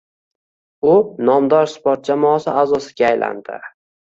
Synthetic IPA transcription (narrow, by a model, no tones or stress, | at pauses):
ʊnɒmd̪ɒɾspoɾt̪̚d͡ʒamɒːsɪazɒsɪɡʲaːjlʔa̰nd̪ɪ̰